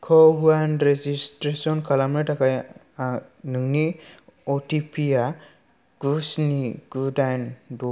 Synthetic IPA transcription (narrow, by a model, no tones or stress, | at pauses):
kʰɔbanɾezistɾesɔnkʰalamɾetakaj | nɯŋniɔtipʰija | ɡ̥usniɡ̥udajndɔ